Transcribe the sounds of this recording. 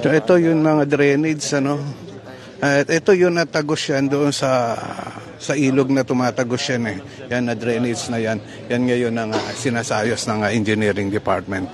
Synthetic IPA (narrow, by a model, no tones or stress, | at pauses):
soʔɛt̪o̞jʊŋmɐŋad̪ɾɛnɪd̪sʔɐno̞ | ʔɐt̪ʔɛt̪o̞jʊnɐt̪ɐɡʊʃand̪oʔonsɐ | sɐʔiːloɡ̚nɐt̪ʊmaːt̪ɐɡoʃanɛ | janːɐd̪ɾɛnɪd̪snɐjan | janŋɐjonːɐŋasɪnaːsaːjosnɐŋaʔɪnd͡ʒɪniɾɪŋd̪ɪpa̰ɹt̪̚mɛnt̪̚